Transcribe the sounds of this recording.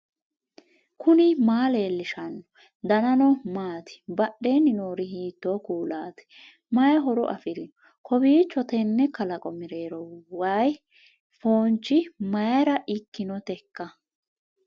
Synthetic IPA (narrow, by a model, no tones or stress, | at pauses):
kʰʊnɪmaːle̞ːlːɪʃɐnːɔ̥ | d̪ɐnɐnɔmaːt̪ɪ̥bɐɗːe̞ːnɪnoːɾɪhiːt̪ːoːkuːlaːt̪ɛ̥ | mɐjɐɦɔɾɔ̰ʔɐfɪɾɪnɔ | kɔbiːt͡ʃːɔt̪ɛnːɛkɐlɐkʼɔmɪɾeːɾɔwaj | foːnt͡ʃʼːɪmɐjɐɾɐʔɪkːɪnɔt̪ɛkːɐ